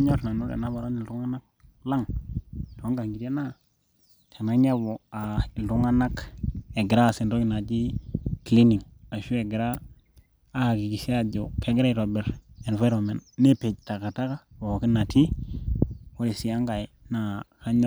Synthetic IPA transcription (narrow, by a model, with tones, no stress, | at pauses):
ɲo˦tna˨nu˦dḛ˨na˦βa˨ɾo˦ni˨lɾu˦ŋa˦na˦k̚ | la˦ŋto˨˦ŋɡa˨ŋɡi˨te˦na˦ | ta˨na˦ɲa˦bo˨a˨i˨ltu˦ŋa˦na˦ke˨ɡɾa˦˨si˨nɾo˦ki˨na˨d͡ʒi˦kli˦ni˨ŋ | a˨ʃu˦e˨ɡɾaː˦˨ | ki˨ki˨si˦a˦d͡ʒo˨ke˦ɡɾe˦i˨ɾo˨be˨ɾe˨nva˦jɾo˨me˨nːe˦pe˨d͡ʒta˨ka˨ta˦ka˦o˨o˨ki˦na˨ti˦ | wo˦le˨si˨a˦ŋɡa˨i˨na˦ka˦ɲo˦